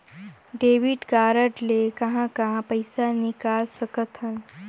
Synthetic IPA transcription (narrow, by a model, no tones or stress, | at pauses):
ɖeːʋiʈkaːɾəʈlekɐɦãkɐɦãpɐjsanɪkaːlsəkət̪ɦən